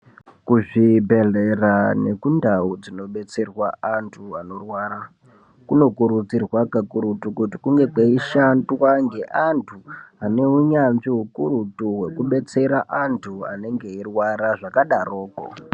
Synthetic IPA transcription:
kuʐibʱe̞ɮe̞rane̞kundaud͡zino̞ɓe̞t͡se̞rwaantʰuano̞rwaːɾa | kuno̞kuɾud͡zirwakakuɾutukutikuŋɡe̞kweiʃandwaŋɡe̞ʔantʰuaneɦuɲanʐiɦukurutuwe̞kuɓe̞t͡se̞ɾaʔantʰua̰ne̞ŋɡe̞irwaɾaʐakaɗaroːko̰

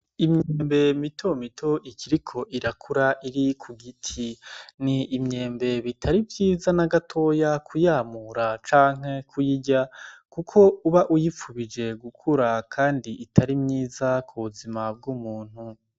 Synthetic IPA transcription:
imɲeːmbe̞mitʰo̞mitʰo̞ikʰiɾikʰo̞ʔiɾakʰuɾaʔiɾikʰuɡitʰiniːmɲe̞ːmbe̞βitʰaɾibjiːzanaɡatʰo̞ːjakʰujaːmuɾat͡ʃaːŋ̥ɦe̞kʰujiɟakukʰo̞uβaʔujip͡fuβid͡ʒe̞ɡukʰuɾakʰaːndiʔitʰaɾimɲiːzakʰuβuzimab̚ɡuːmuːn̥hu

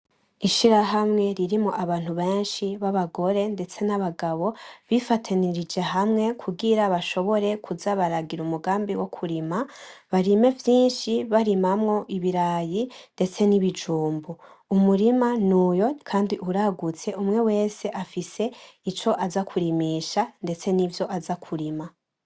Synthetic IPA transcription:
iʃiɾaɦamŋe̞ɾiɾimoʔaβaːn̥huβe̞ːnʃiβaβaɡo̞ɾe̞nde̞t͡se̞naβaɡaβo̞βifatʰaniɾid͡ʒe̞ɦamŋe̞kʰuɡiɾaβaʃo̞βo̞ɾe̞kʰuzaβaɾaɡiɾumuɡaːmbiwo̞kʰuɾimaβaɾime̞vjiːnʃiβaɾimamŋo̞ʔiβiɾaːjinde̞t͡se̞niβid͡ʒuːmbu | umuɾimanuːjo̞kʰaːndiʔuɾaɡut͡se̞umŋe̞we̞ːse̞ʔafise̞ | it͡ʃo̞ʔazakʰuɾimiːʃande̞t͡se̞nivjo̞ʔazakʰuɾima

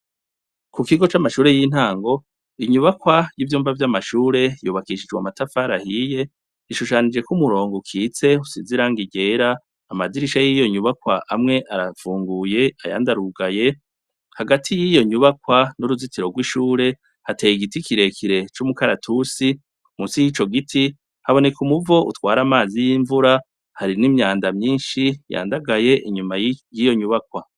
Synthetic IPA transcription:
kukiɡo̞t͡ʃamaʃuːɾe̞jiːn̥haːŋɡo̞ | iɲuβakwajivjuːmvavjamaʃuːɾe̞juβakiʃid͡ʒɡwamatafaːɾahije̞ | iʃuʃanid͡ʒe̞kumuɾo̞ːŋɡukʰiːt͡se̞usiziɾaːŋɡiɡe̞ːɾaː | madiɾiʃajijo̞ɲuβakwaʔamŋe̞ʔaɾafuːŋɡuje̞a̰ja̰ːndaɾuɡaje̞ | haɡatʰijijo̞ɲuβakwanuɾuzitiɾo̞ɡwiʃuːɾe̞ | hateːjiɡitikiɾe̞kʰiɾe̞t͡ʃumukaɾatʰusi | musijit͡ʃo̞ɡitʰi | haβo̞ne̞kumuvo̞ʔṵtwaːɾamaːzijiːɱvuɾa | haɾinimɲaːndamɲiːnʃija̰ːndaɡaje̞ʔiɲumajijo̞ɲuβakwa

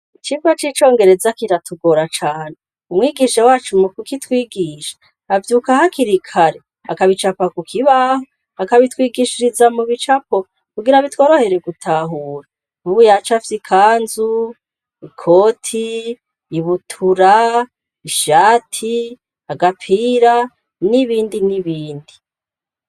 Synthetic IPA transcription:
it͡ʃivat͡ʃiːt͡ʃo̞ːŋɡe̞ɾe̞zakiɾatuɡo̞ɾat͡ʃaːne | umŋiːɡiʃawaːt͡ʃumukukitwiːɡiʃḁ | avjuːkahakiɾikʰaɾe | akaβit͡ʃapakukʰiβaho | akaβitwiːɡiʃiɾizamuβit͡ʃapo | kuɡiɾaβitwo̞ːɾohe̞ɾe̞ɡutʰaɦuːɾa | nuβujat͡ʃafsikʰaːnzu | ikʰoːtʰiː | βutʰuɾa | iʃaːtʰi | aɡapʰiːɾa | niβiːndiniβiːndi

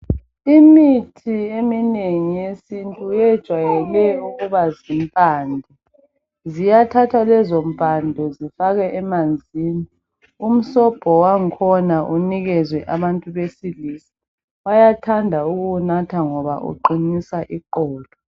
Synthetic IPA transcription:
imitʰiemineŋijesintʼujɛd̥ʒ̥ʱwajɛlɛuɣuβazimpʼaːndʱɔ | zijatʰatʰwalɛzɔm̩pʼandʱɔzifaɣɛʔɛmand͡zʱiːni | um̩sɔb̥ʱɔwaŋ̩kʰɔnaʔuniɣɛzwɛʔaβantʼuβesilisi̥ | ajatʰandʱauɣunatʰaŋɔβaʔṵǃinisaʔiǃɔːlɔ

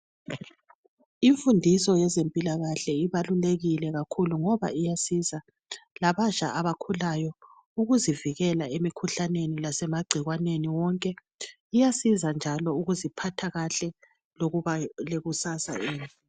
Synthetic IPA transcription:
iɱfundʱisɔjɛzempʼilaɣaɬɛiβaluleɣilɛɣakʰuluŋɔβa̰ijasiza | laβat͡ʃʼa̰ʔaβakʰulajɔ | uɣuziviɣɛlaemikʰuɬanenilasɛmaɡ͡ǀʱiɣwaneniwɔŋkʼɛ | ijasizand͡ʒʱalɔuɣuzipʰatʰaɣaɬɛ | loɣuβaleɣusasa̰iːni

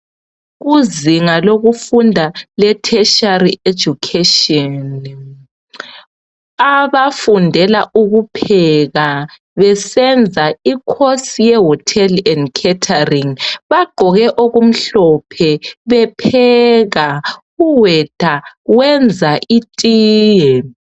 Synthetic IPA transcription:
ɣuziŋaloɣufundʱalɛtʰɛʃarie̥d͡ʒ̥ʱukʰɛʃɔn | aβafundʱɛlaʔuɣupʰɛɣa | βɛsɛnd͡zʱaikʰosijɛɦɔtʰɛlɛndkʰɛtʰariŋβaɡ͡ǃʱɔɣɛʔoɣum̩ɬɔpʰɛβɛpʰɛɣa | uwɛd̥ʱaɣwɛnd͡zʱaʔitʼiːjɛ

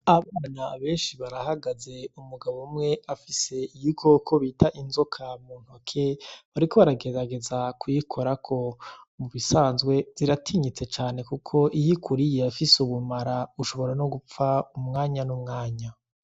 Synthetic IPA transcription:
aβaːnaβe̞ːnʃiβaɾahaɡaze̞umuɡaβomŋe̞afise̞ijikʰo̞kʰo̞βiːtaʔinzo̞kʰamuːn̥hokʰeβaɾiko̞βaɾaɡe̞aɡe̞zakʰujikʰo̞ɾakʰo̞muβisaːnzɡwe̞z̥iɾatʰiɲit͡se̞t͡ʃaːne̞kukʰo̞ʔijikʰuɾijeafisuβumaɾauʃo̞βo̞ɾano̞ɡup͡faumŋaːɲanumŋaːɲa

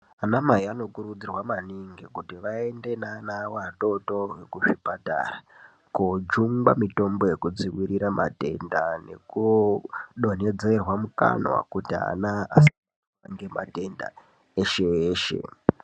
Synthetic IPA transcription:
anamaiano̞kuɾud͡zirwamaniŋɡikutiʋaende̞nanawato̞to̞wekuʐipata̰ra | kod͡ʒuŋɡa̰mito̞mbo̞je̞kud͡ziwiɾiɾama̰te̞̰ndane̞̰ku | ɗo̞ne̞d͡ze̞rwamuka̰nwa̰kutia̰naasi | wa̰ŋɡe̞ma̰te̞nda̰ | eʃeeːʃe̞̰

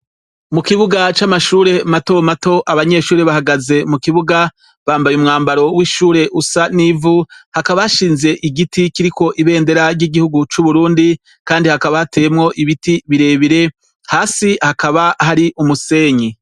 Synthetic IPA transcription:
mukiβuɡat͡ʃamaʃuːɾe̞mato̞mato̞ʔaβaɲe̞ʃuːɾe̞βahaɡaze̞mukiβuɡa | βaːmbajumŋaːmbaɾo̞wiʃuːɾe̞ʔusanivuhakaβahaʃiːnze̞ʔiɡitikiɾiko̞ʔiβe̞ːnde̞ɾaɾɟiɡihuɡut͡ʃuβuɾuːndi | kaːndihakaβahatejemŋo̞ʔiβitiβiɾe̞ːβiɾe̞ | haːsihakaβahaɾiʔumuse̞ːɲi

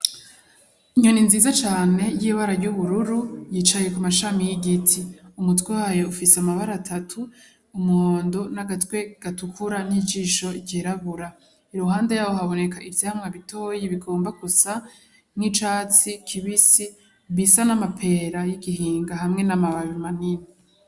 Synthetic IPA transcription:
iɲoninziːzat͡ʃaːne̞jiːβaɾaɾɟuβuɾuɾujiːt͡ʃaje̞kumaʃamijiɡitʰiumutwewaːjo̞ufiseamaβaɾatʰatʰuː | moːndonaɡatwe̞ɡ̥atukʰuɾan̥id͡ʒiːʃo̞ɟeɾaβuɾa | iɾuɦaːnde̞jaːβoɦaβo̞ne̞kaʔivjahamŋaβitʰo̞ːjiβiɡo̞ːmbaɡusa | mŋit͡ʃaːt͡sikʰiβisi | βisanamapʰe̞ɾajiɡiɦiːŋɡaɦamŋe̞namaβaβimanini

